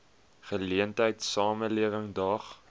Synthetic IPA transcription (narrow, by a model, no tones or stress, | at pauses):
χəliəntəjtsɑːməliəvəŋdɐχ